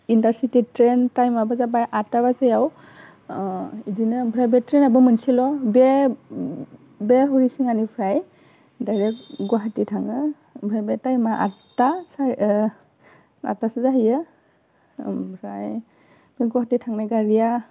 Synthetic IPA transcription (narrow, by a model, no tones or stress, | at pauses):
intaɾsititɾentajmabazabajʔataβazajaw | idinɯbʱɾajbɛtɾɛnabɯmɯnsilɔbɛ | bɛɦuɾisiŋanipʰɾaj | dajɾɛkɡwaɦatitʰaŋɯ | bʱɾajbɛtajmaʔa̰tasa | a̰tasɯzaɦijɯ | bʱɾaj | beɡwahatitʰaŋnajɡaɾija